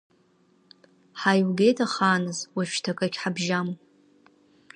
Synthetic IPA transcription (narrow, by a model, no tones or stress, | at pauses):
ħajwɡʲe̞jtʰʼaχaːnɨzwaʃtʰakʼaɡʲħabʒamo